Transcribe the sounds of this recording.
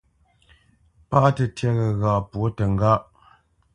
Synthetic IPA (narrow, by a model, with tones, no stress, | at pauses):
pa˦ʔtə˨tjɛ˦ɣə˨ɣa˨pwo˦tə˨ŋ˦ɡa˦ʔ